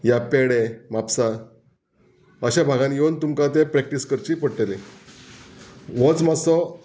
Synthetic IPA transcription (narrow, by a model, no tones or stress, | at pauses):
japeɽemapsa | əɕabʱaɡãnjent̪umkat̪̬epɾɛk̚ʈiskəɾt͡ɕiːpəɽʈelẽ | ʋɔt͡smasɔ